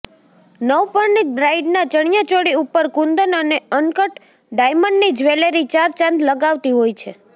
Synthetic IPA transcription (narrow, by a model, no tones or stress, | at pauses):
nəwpəɾniɖɾaiɖnat͡ʃəɳ̃jat͡ʃoɽiupːəɾkũnd̪ənəneənkəʈ | ɖajməɳɖnid͡ʒʋeleɾit͡ʃaɾt͡ʃãnd̪ləɡaʋt̪iɦojt͡ʃʰe